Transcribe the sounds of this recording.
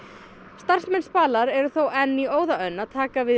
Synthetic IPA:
st̪ar̥smɛnspaːlaɾɛɾʏθowʔɛnːioːwðaœnːaðt̪ʰaːkavɪ

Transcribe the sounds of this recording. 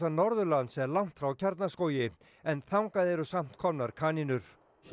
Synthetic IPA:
anɔɾðʏlansɛlawŋ̥t̪fɾawcʰaɾt̪naskoːwjɪ | ɛnθawŋkaðɛɾʏsam̥t̪kʰɔmnaɾ̥kʰaːninʏɾ̥

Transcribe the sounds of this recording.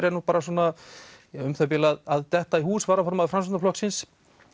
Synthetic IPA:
ɾɛɾnupaːɾaswɔna | ʏmθœpɛlaðaðt̪ɛht̪aihuːsvaːɾafɔɾmaðfɾamsanaflɔksɪns

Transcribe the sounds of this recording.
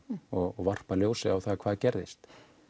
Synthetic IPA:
ɔɣɣvar̥paljoːwsɪawθakʰvaːðcɛɾðɪst̪

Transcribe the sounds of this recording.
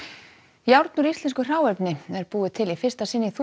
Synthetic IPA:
jawɾt̪nʏɾist̪lɛnskʏr̥aːwɛpnɪɛɾpuːðɪt̪ʰɪlifɪr̥st̪asɪnːiθ

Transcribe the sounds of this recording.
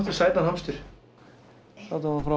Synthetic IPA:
t̪ɪsaːjt̪anɦamst̪ʏɾ̥ | θawt̪aanfɾa

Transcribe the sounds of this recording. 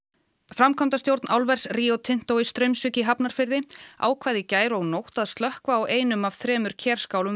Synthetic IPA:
fɾamkʰɔmt̪ast̪jowɾt̪nʔawlvɛɾ̥sriːowt̪ʰɪn̥t̪owɪst̪ɾœɥmsʏːcɪɦapnaɾ̥fɪɾðɪa̰ːwkʰvaːjðɪcaːjɾɔɣnowht̪aðst̪lœhkvaːwʔeːjnʏmav̥θɾɛːmʏɾ̥cʰɛr̥skaːwlʏm

